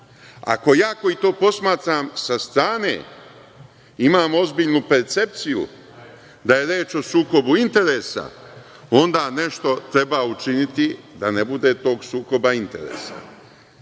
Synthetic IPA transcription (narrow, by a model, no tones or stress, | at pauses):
a̰ko̞jaːko̞it̪o̞ːpo̞smaːt̪ɾamsast̪ɾaːne̞̰ː | imaːmo̞zbiʎnupe̞ɾt̪se̞p̚t̪sijṵ | d̪aje̞ɾeːt͡ʃo̞suːko̞buint̪e̞ɾe̞ːsa̰ | o̞nd̪aːne̞ʃt̪o̞t̪ɾe̞baut͡ʃinit̪i | d̪ane̞bud̪e̞t̪o̞ːɡsuːko̞baint̪e̞̰ɾḛːsa̰